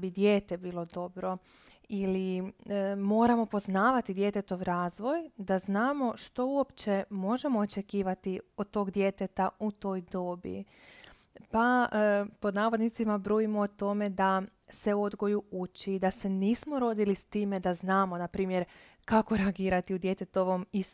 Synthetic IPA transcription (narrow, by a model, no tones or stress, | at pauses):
bid̪je̞ːt̪e̞biːlˠo̞d̪o̞bɾo̞ | ili | mo̞ːɾamo̞po̞znaːʋat̪id̪je̞t̪e̞t̪o̞ʋɾaːzʋo̞jd̪aznaːmo̞ʃt̪o̞uo̞pt͡ʃe̞mo̞ʒe̞mo̞ːt͡ʃe̞kiːʋat̪io̞d̪̚t̪ːo̞ɡd̪je̞t̪e̞t̪aut̪o̞ːjd̪o̞ːbḭ | papo̞d̪naːʋo̞d̪nit̪simabɾuːjimoot̪o̞me̞d̪a | se̞uo̞d̪ɡo̞juut͡ʃiːd̪ase̞niːsmo̞ɾo̞d̪ilist̪iːme̞d̪aznaːmo̞napɾiːmje̞ɾ | kako̞ɾeaɡiːɾat̪iud̪je̞t̪e̞t̪o̞ʋomis